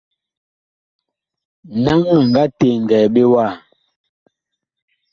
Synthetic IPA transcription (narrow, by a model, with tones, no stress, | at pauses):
na˦ŋmɛ˨ŋ˨ɡa˦te˨ŋ˨ɡɛː˨ɓe˦wa˦˨